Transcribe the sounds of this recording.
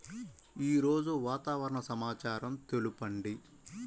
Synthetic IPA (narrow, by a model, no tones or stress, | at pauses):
iːɾo̞ːd͡ʒuʋaːt̪aːʋɐɾɐɳɐsɐmaːt͡ʃaːɾɐmt̪e̞lupɐɳɖi